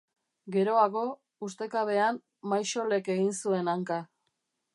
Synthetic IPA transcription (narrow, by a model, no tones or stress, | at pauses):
ɡe̞ɾo̞aɣo̞ | ust̪e̞kaβe̞am | majʃo̞le̞ke̞ɣinsue̞naŋka